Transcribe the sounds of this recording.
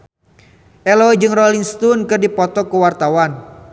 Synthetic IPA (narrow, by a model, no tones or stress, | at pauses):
ʔɛlɔd͡ʒɨŋrɔliŋst̪unkɨrdipɔt̪ɔkuwart̪awan